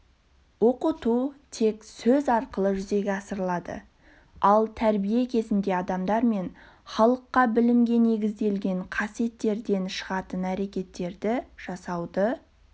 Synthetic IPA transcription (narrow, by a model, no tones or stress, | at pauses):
wo̞qət̪ut̪ʰe̞ksɵzɑɾqəlˠəʒʏze̞ɡʲeɑsəɾlˠɑd̪ə̰ | ɑlˠt̪ʰæɾbije̞kʲʰe̞zɪnd̪e̞ɑd̪ɑmd̪ɑɾme̞n | χɑlˠəqːɑbɪlɪmɡʲe̞ne̞ɡʲɪzd̪e̞lɡʲe̞ɴqʰɑsije̞t̪ːe̞ɾd̪e̞nʃəʁɑt̪ənæɾe̞kʲe̞t̪ːe̞ɾd̪ɪʒ̥ɑsɑwd̪ə